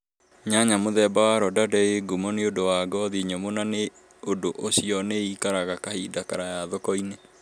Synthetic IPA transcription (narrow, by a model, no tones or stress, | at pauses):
ɲaɲamoðɛbawaɾɔdadɛeɡumɔneodowaɡɔðiɲɔmonane | odoʔoɕiɔneikaɾaɣakahidakaɾajaðɔkɔine